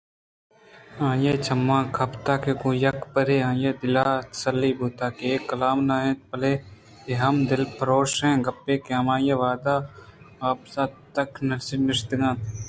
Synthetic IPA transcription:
ãːjeːt͡ʃʰɐmːãːkʰɐpt̪aːkeɡõːjɐkpəɾeːãːjeːd̪ɪlaːt̪ɐ̥səlːiːbuːt̪aːkeeːkːɐlaːmnaːẽːt̪̚pɐleː | eɦɐmd̪ɪlpʰɐɾoːʃɦɛ̃ːɡɐpːeːkeɐmãːjeːʋaːd̪aː | aːpsaːt̪ɐknɐlsɪnɪʃt̪ɡãːt̪

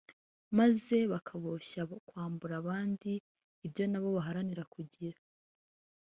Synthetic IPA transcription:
maze̞βakʰaβoçaokwaːmbuɾaβaːndiː | bjo̞naβo̞βaɦaɾaniɾakuɟiɾa

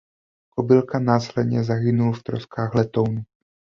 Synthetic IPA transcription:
kobɪlkanaːslɛd̪ɲɛzaɦɪnulft̪ɾo̰skaːɣlɛt̪ownu

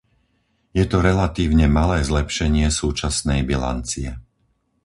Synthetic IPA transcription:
jɛt̪ɔɾɛlat̪iːʊɲɛmalɛːzlɛpʃɛɲɪɛsuːt͡ʃasnɛjbila̰nt͡siɛ

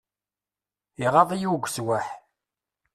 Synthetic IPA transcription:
iʁɑðˤijuɡʷswaħ

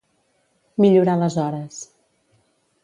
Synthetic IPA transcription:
miʎuɾaləzɔɾəs

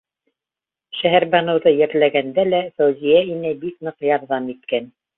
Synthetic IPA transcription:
ʃæɦæɾbɑnɤ̆wðɤjæɾlæɡænd̪ælæfæwzijæinæbik̚nɤ̆qjɑɾðɑmit̪̚kæn

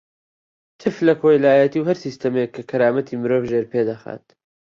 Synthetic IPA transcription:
t̪ʰɨflɐkʰojlaaːjɛt̪iːwhɐɾsiːst̪ɐmekːɐkʰɐɾaːmɐt̪ʰiːmɨɾoːvʒeɾpeːd̪ɐxa̰ːt̪

